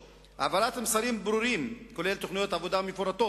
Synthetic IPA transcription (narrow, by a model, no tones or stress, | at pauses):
avalat̪amsaɾimbɾuɾimko̞lelt̪o̞χnijo̞tavod̪amefoɾat̪o̞